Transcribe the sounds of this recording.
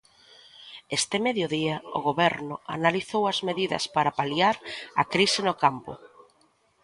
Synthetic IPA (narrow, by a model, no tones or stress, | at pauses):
est̪ɪmeðjʊðiɐʊ̰ɣoβɛɾnʊa̰naliθowɐzmeðiðɐ̰spaɾapaliaɾɐ̰kɾisɪnʊkampʊ̰